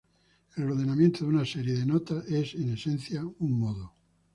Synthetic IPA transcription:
elooðenamjẽnt̪oðunaseɾjeðenot̪aʔesene̞sẽn̟θjauŋmoðo

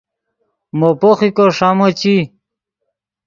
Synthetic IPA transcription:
mopoχikoʂamot͡ɕi

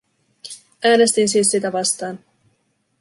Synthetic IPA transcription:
ʔæːne̞st̪insiːsːit̪æʋɑst̪ɑːn

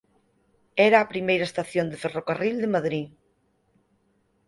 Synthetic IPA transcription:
ɛɾaːpɾimejɾɐest̪aθjond̪eferokarild̪emaðɾi

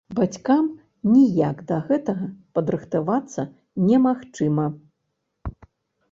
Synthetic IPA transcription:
bat͡sʲkam | nʲijakd̪ɐɣɛt̪ɐɣɐpɐd̪ɾɨxt̪avat̪sːɐ | nʲɛmaxt͡ʂɨmɐ

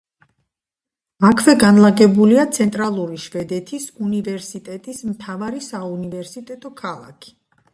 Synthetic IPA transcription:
akʰvɛɡanlˠaɡɛbuliat̪sʰɛnt̪ʼɾalˠuɾiʃvɛd̪ɛt̪ʰisunivɛɾsit̪ʼɛt̪ʼismt̪ʰavaɾisaunivɛɾsit̪ʼɛt̪ʼɔkʰalˠa̰kʰi̥

